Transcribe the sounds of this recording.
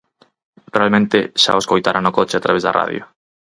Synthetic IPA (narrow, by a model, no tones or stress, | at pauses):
realmẽnt̪ɪʃa̰βoskojt̪aɾʔanokot͡ʃɪat̪ɾaβezða̰ra̰ðjo̰